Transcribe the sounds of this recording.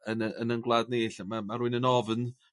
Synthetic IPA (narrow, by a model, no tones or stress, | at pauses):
ənəənənɡlˠadneɬmamaɾuɨnənɔvn